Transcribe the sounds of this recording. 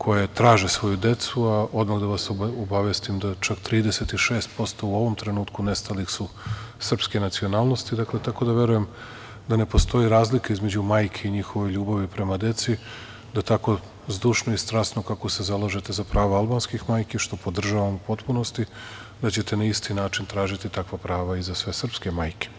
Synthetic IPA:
kʰo̞jet̪ɾaːʒesʋo̞jud̪e̞t̪suaʔo̞d̪maɣd̪aʋasobaʋjest̪imd̪at͡ʃakt̪ɾiːd̪ese̞t̪iʃe̞ːst̪̚po̞st̪o̞uo̞ʋo̞mt̪ɾe̞nuːt̪kune̞st̪alixsusr̩pske̞nat̪sio̞naːlˠno̞st̪id̪aklet̪ako̞d̪aʋje̞ɾuje̞m | d̪ane̞po̞st̪o̞jiɾaːzlikaizme̞d͡ʑumaːjkʰeiɲixo̞ʋo̞jʎuːbaʋipɾe̞mad̪e̞t̪si | d̪at̪ako̞ | zd̪uʃnoist̪ɾasno̞kako̞se̞zalˠaʒe̞t̪ezapɾaːʋaalˠbaːnskixmaːjkeʃt̪o̞po̞d̪r̩ʒaʋamupo̞t̪puno̞st̪i | d̪at͡ɕe̞t̪e̞naist̪inaːt͡ʃint̪ɾaːʒit̪it̪akʋapɾaːʋaizasʋe̞sr̩pske̞maːjke̥

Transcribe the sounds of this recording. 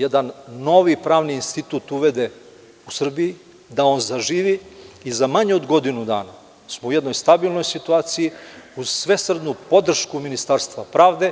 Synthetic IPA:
jed̪anːo̞ʋipɾaːʋniːnst̪it̪ut̪uʋed̪e | usr̩biji | d̪ao̞ːnzaʒiːʋiizamaɲeod̪ɡo̞d̪inud̪a̰ːna | smoujed̪no̞jst̪abilˠno̞jsit̪uaːt̪sijiuzsʋe̞sr̩d̪nupo̞d̪r̩ʃkuminist̪aɾst̪ʋapɾaːʋd̪e̞

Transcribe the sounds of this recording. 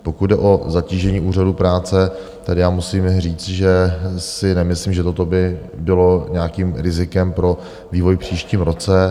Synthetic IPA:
po̞kud̪̚dɛʔo̞zaciːʒɛɲiːʔuːr̝adupɾaːt͡sɛ | t̪ɛdɪjaːmusiːmriːt͡s̪ʒɛsɪnɛmɪsliːmʒɛt̪ot̪o̞bɪ | bɪlo̞ɲɛakiːmɾɪzɪkɛmpɾo̞ | viːvojpr̝̥iːʃciːmɾo̞t͡sɛ

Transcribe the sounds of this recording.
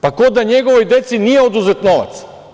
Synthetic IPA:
pakod̪aɲeɡoʋojd̪e̞t̪sinijeod̪uzet̪noʋa̰t̪s

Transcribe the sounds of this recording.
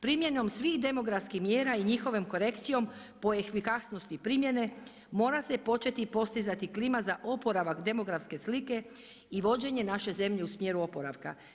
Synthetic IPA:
pɾimje̞no̞msʋixd̪e̞mo̞ɡɾafskixmjeːɾaiɲixo̞ʋomko̞ɾe̞kt̪sijo̞m | po̞exfikasnost̪ipɾiːmje̞ne̞ | mo̞ːɾase̞po̞t͡ʃe̞t̪ipo̞st̪izat̪iklimazaʔo̞po̞ɾaʋakd̪e̞mo̞ɡɾafske̞slike̞ | iʋo̞d͡ʑe̞ɲe̞naʃe̞ze̞mʎe̞usmje̞ːɾuo̞po̞ɾaʋka̰

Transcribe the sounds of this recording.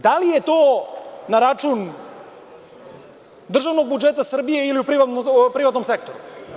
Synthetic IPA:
d̪alije̞t̪o̞ːnaɾat͡ʃun | d̪r̩ʒaʋno̞ɡ̚bud͡ʒe̞t̪asr̩bije̞iliupɾiʋapɾiʋat̪no̞mse̞k̚t̪o̞ɾu

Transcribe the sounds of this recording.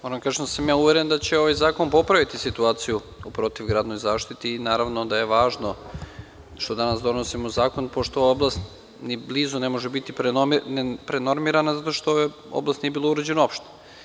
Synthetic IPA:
mo̞ɾamd̪kaʒed̪asamjaːuʋeɾend̪at͡ɕe̞o̞ʋajzaːkonpo̞pɾaʋit̪isit̪uaːt̪siju | upɾo̞t̪iʋɡɾaːd̪nojzaːʃt̪it̪iːnaːɾaʋno̞d̪aje̞ʋaːʒno̞ | ʃt̪o̞d̪anasd̪o̞nosimozaːko̞npo̞ʃt̪ooaoblˠast̪ | nibliːzune̞moʒebit̪ipɾnpɾeno̞ɾmiɾanazat̪oʃt̪oje | o̰blˠast̪niebilouɾed͡ʑenoo̞pʃt̪o̥

